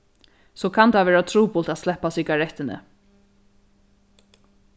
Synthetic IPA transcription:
sɔkʰant̪ʰaʋɛːɹat̪ʰɾuːpʊlt̪at̪slɛhpːasɪɡaɹɛt̪ːɪnɪ̰

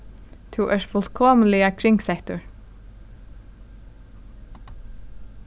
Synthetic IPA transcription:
t̪ʰuːʔɛːʂfʊl̥t̪kʰɔːməlɪakʰɾɪŋksɛht̪ʊɹ

